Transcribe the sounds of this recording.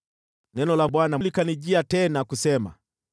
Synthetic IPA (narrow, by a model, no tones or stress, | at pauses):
nɛnɔlaɓwanalikaniʄiatɛnakusɛma̰